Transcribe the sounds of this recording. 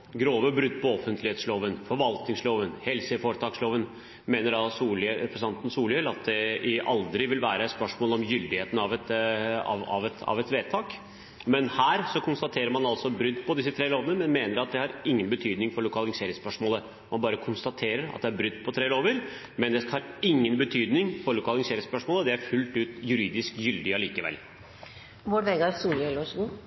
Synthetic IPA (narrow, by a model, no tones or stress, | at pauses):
ɡɾoːʋəbɾʏd̪ːpʰɔɔfːənt̪ʰlɪeːt̪sloːʋənfɔɾʋɑlt̪nɪŋsloːʋənhɛlsəfoːɾt̪ʰɑːksloːʋən | meːnəɾɑsuːlɛpɾəsnɑnt̪ən̩suːljɛlɑt̪̚d̪ɛɪʔɑ̰ld̪ɾɪʋɪlʋæːɾəɛt̪spœʂmoːlɔmjʏld̪ɪheːt̪n̩ɑʋɛt̪ɑ̰ɑ̰ʋɛt̪ɑ̰ʋɛt̪ʋeːt̪ʰɑːk | mɛnhæːɾsɔkʰʊnst̪ɑt̪ʰeːɾəɾmɑnɑlsɔbɾʏd̪ːpʰɔd̪ɪsːət̪ʰɾeːloːʋənəmɛnmeːnəɾɑt̪̚d̪ɛhɑɾɪŋːənbət̪ʰyːd̪nɪŋfɔɾɭʊkʰɑːlɪŋseːɾɪŋspœʂmoːlə | mɑnbɑːɾəkʰʊnst̪ɑt̪ʰeːɾəɾɑ̰t̪̚d̪ɛæɾbɾʏd̪ːpʰɔt̪ʰɾeːloːʋəɾ | mɛnd̪ɛhɑɾɪŋːənbət̪ʰyːd̪nɪŋfɔɾɭʊkʰɑːlɪŋseːɾɪŋspœʂmoːləd̪ɛæɾfʉlt̪ʉːt̪jʉɾiːd̪ɪskjʏld̪ɪɑliːkəʋɛ̰lː | ʋoːɾʋɛɡɑɾsuːlɛlʋɑʂɡuː